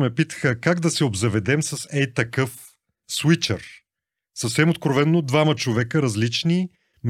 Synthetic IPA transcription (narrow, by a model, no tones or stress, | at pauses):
mɛpit̪ə̥xəkaɡd̪ɐsɛobzɐvɛd̪ɛmsɐsɛjt̪ɐkɤf | swit͡ʃə̰ɾ | sɐfsɛmot̪̚kɾovɛnːod̪vamət͡ʃovɛkəɾɐzlit͡ʃni | m